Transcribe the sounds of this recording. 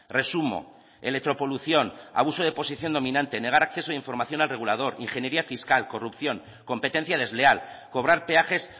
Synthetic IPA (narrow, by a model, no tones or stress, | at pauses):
re̞sumo̞̰ | elek̚t̪ɾo̞po̞luθjo̞na̰β̞usoð̞e̞po̞siθjo̞nd̪o̞mĩnãnt̪e̞ne̞ɣ̞aɾakθe̞soðiɱfo̞ɾmaθjo̞nalre̞ɣ̞ulað̞o̞ɾḭŋxenje̞ɾiafiskalko̞rupθjo̞ŋ | ko̞mpe̞t̪e̞n̟θjað̞e̞zleal | ko̞β̞ɾaɾpe̞axe̞s